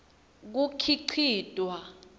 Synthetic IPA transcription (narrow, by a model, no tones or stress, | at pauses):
k̬ukʰiǀʰiːtʼwa